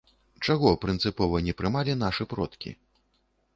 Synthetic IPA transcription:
t͡ʂaɣɔpɾɨnt̪sɨpɔvɐnʲɛpɾɨmalʲinaʂɨpɾɔt̪kʲḭ

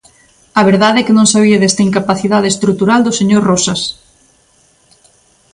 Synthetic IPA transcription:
ɐβeɾðaðɛkɪnõŋsaβ̞iɐðɛst̪ɐiŋkapaθiðað̞est̪ɾut̪uɾald̪oseɲoɾrɔsas

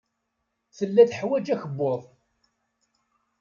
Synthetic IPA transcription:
θəlːæθħwæd͡ʒæçəbːoðˤ

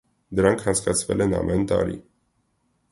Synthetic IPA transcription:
d̪əɾɑŋkʰhɑnt͡sʰkɑt͡sʰvɛlɛnɑ̰mʔɛnt̪ɑ̰ɾḭ

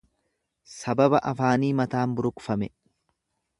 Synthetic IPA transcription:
sɐbɐbɐʔɐfaːniːmɐt̪aːmbʊɾʊkʊfɐmɛ

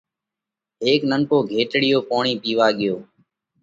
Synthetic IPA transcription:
ɦeːknəŋkoːɡʱeːʈɽɪjoːpoːɳ̃iːpiːʋaːɠɪjoː

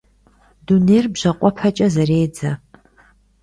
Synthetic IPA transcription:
dunerbʑɐqʷʼɔpʰɐt͡ʃʼɐzɐreːd͡zɐ

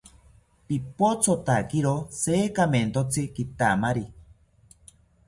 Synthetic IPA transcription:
pipot͡sʰot̪akiɾosekament̪ot͡sikit̪amaɾi

